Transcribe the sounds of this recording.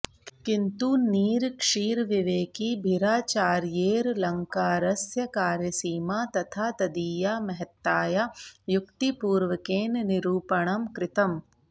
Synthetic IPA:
kɪnt̪uniːɾkʂiːɾʋiʋeːkibʱiɾaːt͡ʃaːɾjeːɾlɐŋkaːɾɐsjɐkaːɾjɐsiːmaːt̪ɐt̪ʰaːt̪ɐd̪iːjaːmɐɦɐt̪ːaːjajʊkt̪ipuːɾʋɐkeːnnɪɾuːpɐɳ̃ɐmkɾɪt̪ɐm

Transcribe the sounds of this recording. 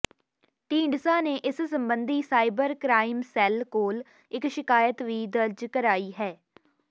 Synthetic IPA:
ʈĩːɳɖsãːneːʔɪssəmbənd̪iːsaːɪbəɾkɾaːɪmsɛːlkoːl | ɪkʃɪkaːjət̪ʋiːd̪əɾd͡ʒkəɾaːiːɦɛː

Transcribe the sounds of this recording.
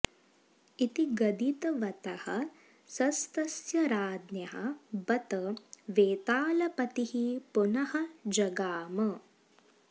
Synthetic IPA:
it̪iɡɐd̪it̪ɐʋɐt̪ɐhɐ̰ | sɐst̪ɐsjɐɾaːd̪njɐɦɐ̰bɐt̪ɐʋeːt̪aːlɐpɐt̪ihipunɐhɐd͡ʒɐɡaːmɐ

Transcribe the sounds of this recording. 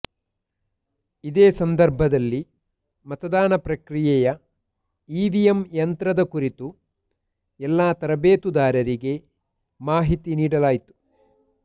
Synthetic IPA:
id̪eːsɐnd̪ɐɾbʱɐd̪ɐlːi | mɐt̪ɐd̪aːnɐpɾɐkɾijɛjɐ | iːʋijemjɐnt̪ɾɐd̪ɐkuɾit̪u | ɛlːaːt̪ɐɾɐbeːt̪ud̪aːɾɐɾiɡe̞ | maːɦit̪iniːɽɐlaːjt̪u̥

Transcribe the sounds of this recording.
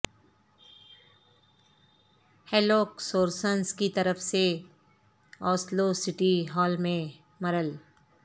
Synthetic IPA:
hɛːloːksoːɾsənskit̪ɐɾəfse | ɔːslosɪʈiɦɔːlmẽ | mɐɾəl

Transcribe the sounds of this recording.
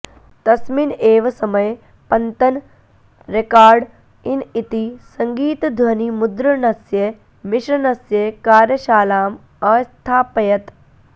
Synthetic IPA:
t̪ɐsmineːʋɐsɐmɐj | pɐnt̪ɐn | ɾekaːɾɖ | init̪isɐŋɡiːt̪d̪ʱwɐnimud̪ɾɐnɐsjɐ | mɪʃɾɐnɐsjekaːɾjɐʃaːlaːm | ɐːst̪ʰaːpɐjɐt̪

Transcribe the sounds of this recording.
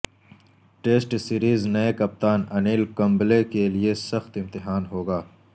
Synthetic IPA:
ʈeːsʈsiːɾiːznɐekɐp̚t̪aːnɐniːlkɐ̃mblekeliesɐxt̪ɪ̃mt̪ɪɦaːnɦoːɡaː

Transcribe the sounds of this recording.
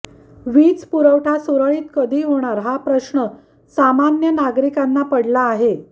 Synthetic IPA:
ʋiːt͡spuɾəʋʈʰasuɾəɭiːt̪kəd̪ʱiːɦoɽ̃aɾɦapɾəɕɳə | samanjənaɡɾikanːapəɽlaːɦe

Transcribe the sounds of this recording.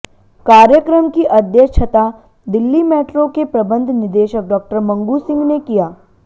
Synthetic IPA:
kaːɾjəkɾəmkiʔɐd̪jət͡ʃʰət̪a | d̪ɪlːimɛːʈɾõkepɾɐbə̃nd̪ʱnɪɾd̪eːʃək̚ɖɔːk̚ʈəɾmɐ̃ŋɡusɪ̃ŋɡnekijaː

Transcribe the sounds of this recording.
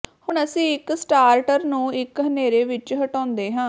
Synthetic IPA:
hʊɳəsĩːɪksʈaːɾʈəɾnũːɪkɦəneːɾeːʋɪt͡ʃɦəʈɔːnd̪eːɦãː

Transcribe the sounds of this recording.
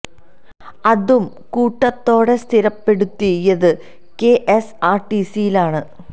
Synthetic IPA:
ɐðum | kuːʈːɐt̪ːo̞ːɽe̞st̪ʰiɾɐpːe̞ɽut̪ːijɐðɨ | keʔesaːrʈisijilaːɳɨ

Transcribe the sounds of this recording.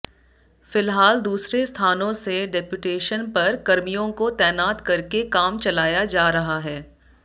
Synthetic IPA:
fɪlɦaːld̪uːsɾest̪ʰaːnõseɖɛpjʊʈeːʃənpɐɾkɐɾmijõkot̪ɛːnaːt̪kɐɾkekaːmt͡ʃɐlaːjad͡ʒaːɾɐɦaɦɛː

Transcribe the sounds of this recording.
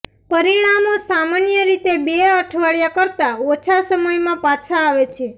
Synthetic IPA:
pəɾiɽ̃amosamanjəɾit̪ebeəʈʰʋaɭjakəɾt̪aot͡ʃʰasəməjmãpat͡ʃʰaːʋet͡ʃʰe

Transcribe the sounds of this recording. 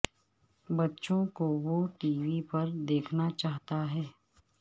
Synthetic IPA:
bɐtːʃõkoʋoːʈiːʋipɐɾd̪eːkʰnat͡ʃaːɦt̪aɦɛː

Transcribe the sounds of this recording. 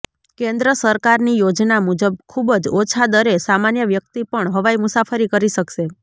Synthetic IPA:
kẽnd̪ɾəsəɾkaɾnijod͡ʒnamud͡ʒəb̚kʰubd͡ʒot͡ʃʰad̪əɾesamanjəʋjək̚t̪ipəɳɦəʋajmusafʰəɾikəɾiʃəkʃe

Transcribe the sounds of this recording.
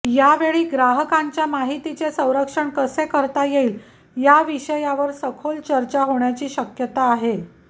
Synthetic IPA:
jaʋeɭiːɡɾaɦəkãɲt͡ɕjamaɦit̪it͡sesə̃w̃ɾəkʂəɳkəsekəɾt̪ajeil | jaʋiɕəjaʋəɾsəkʰolt͡ɕəɾt͡ɕaɦoɳjat͡ɕiːɕəkjət̪aːɦe

